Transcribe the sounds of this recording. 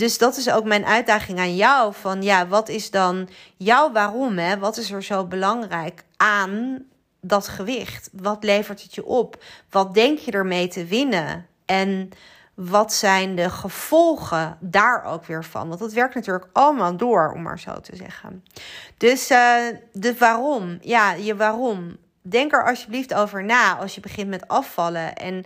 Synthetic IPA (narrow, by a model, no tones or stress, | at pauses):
dɵzdɑtɪs̬owkmɛjnʔœɥt̚daːχɪŋaːnjɔwvɑnjaːʋɑtɪzdɑnjɑwʋaːrɔmɦɛʋɑtɪsəɹzowbəlɑŋrɛjkaːn | dɑtχəʋɪχtʋɑtlejvəɹtɦətjəʔɔpʋɑt̚dɛŋkjədəɹmejtəʋɪnə | ʔɛn | ʋɑtsɛjndəχəv̥ɔlˠχədaːɹʔo̰wkʋɪːɹvɑ̰nʋɑndətʋɛɹk̚tnatyːɹləkɑləmaːlˠdʊːɹɔ̰ma̰ːɹz̥o̰wtəzɛ̰χə̰nd̥ɵs | dəʋaːrɔmjaːjəʋaːrɔm | dɛŋkəɹʔɑlˠsjəbliftowvəɹnaːɑ̰lˠsjəbəχɪntmɛtɑfɑləʔɛ̰n